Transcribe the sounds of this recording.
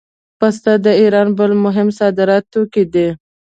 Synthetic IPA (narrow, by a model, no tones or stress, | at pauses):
past̪ad̪əiɾɑnbəlmʊɦɪmsɑd̪ɪɾɑt̪ːokid̪e